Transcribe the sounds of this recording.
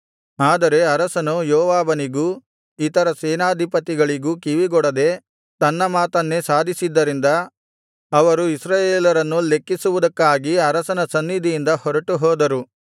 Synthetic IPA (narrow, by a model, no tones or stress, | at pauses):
aːd̪ɐɾe̞ɐɾɐsɐnujɔːʋaːbɐniɡu | it̪ɐɾɐseːnaːd̪ʱipɐt̪iɡɐɭiɡukiʋiɡɔɽɐd̪e̞ | t̪ɐnːɐmaːt̪ɐnːe̞saːd̪ʱisid̪ːɐɾind̪ɐː | ʋɐɾuisɾaːjeːlɐɾɐnːule̞kːisuʋud̪ɐkːaːɡiɐɾɐsɐnɐsɐnːid̪ʱijind̪ɐhɔɾɐʈuɦɔːd̪ɐɾu